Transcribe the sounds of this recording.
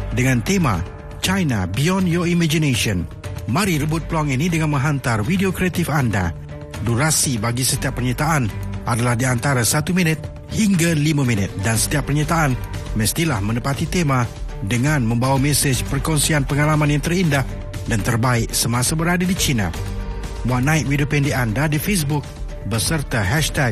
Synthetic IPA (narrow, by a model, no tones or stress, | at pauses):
dəŋãnt̪ema̰ | t͡ʃajna̰biɔnjɔimad͡ʒineʃiən | mãɾiɾəbʊt̪̚plaŋinidəŋanmə̃ŋɦant̪arwideokɾeat̪ɪfanda̰ | duɾasibaɡisət̪iapːərɲat̪aʔanʔadalahdiant̪aɾasat̪umĩnɪt̪̚ | hiŋɡalimaminɪt̪̚dansə̥t̪iapːərɲat̪aʔːnməst̪ilahmə̃nəpat̪it̪emadəŋãnmə̃mbawamɛsed͡ʒpərkɔnsianpəŋalamãnjaŋt̪ərindah | dant̪ərbaɪʔsəmãsabəɾadadit͡ʃina̰ | muanaɪʔ̚wideopɛndiandadifes̬bʊk̚ | bəsərt̪aɦɛʃt̪ɛɡ̚